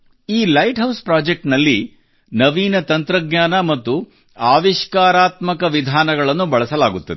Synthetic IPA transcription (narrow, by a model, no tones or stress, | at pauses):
iːlɐjʈɦɐwspɾaːd͡ʒek̚ʈnɐlːi | nɐʋiːnɐt̪ɐnt̪ɾɐɡɲaːnɐmɐt̪ːu | aːʋiʃkaːɾaːt̪mɐkɐʋid̪ʱaːnɐɡɐɭɐnːubɐɭɐsɐlaːɡut̪ːɐd̪